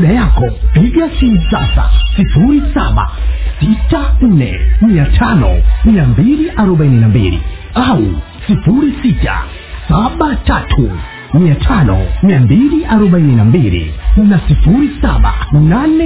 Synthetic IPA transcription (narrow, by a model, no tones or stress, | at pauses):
ɗajakɔpiɡasinsasa̰sifuɾisa̰ɓa̰sitan̩nɛ̰miatʰanɔ̰miambiliʔaɾɔɓaininambḭlḭ | au | sifuɾisita̰ | saɓatatʰu | miatʰanɔ̰miambiliʔaɾɔɓaininambilḭnasifuɾisa̰ɓa̰nanɛ